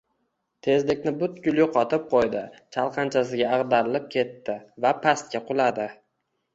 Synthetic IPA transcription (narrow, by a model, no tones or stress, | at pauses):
t̪ʰe̞zlɪkʲnɪbʊt̪ɡʲʊlˠjʊqʰɒt̪ʰɪp̚qʰojd̪ɪt͡ʃʰalˠqʰɑnt͡ʃʰasɪɡʲaːʁd̪aɾɪlɪp̚kʲʰe̞t̪ːɪvapʰast̪̚kʲaqʰʊlˠad̪ɪ